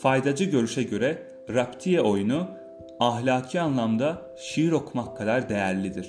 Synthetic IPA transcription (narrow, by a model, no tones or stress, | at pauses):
fajd̪ad͡ʒɯɟø̞ɾyʃɛɟø̞ɾɛ | ɾapt̪ʰijɛo̞junu | aɦlʲaːcʰianlˠamd̪a | ʃijiɾo̞kʰumakʰːad̪aɾd̪e̞jæɾlʲid̪iɾ̥